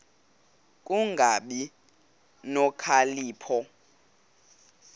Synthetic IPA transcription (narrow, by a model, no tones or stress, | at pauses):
k̬ʼuŋɡʱaɓi | nɔkʰaliːpʰɔ